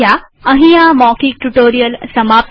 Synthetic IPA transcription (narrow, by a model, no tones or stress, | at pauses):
ja | ɐ̃ɦĩːãmɔːkikʈuʈoːɾijəlsɐmaːb